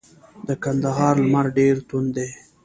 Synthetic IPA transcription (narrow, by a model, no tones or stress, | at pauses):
d̪əkand̪aɦɑɾlmaɾɖeɾt̪und̪e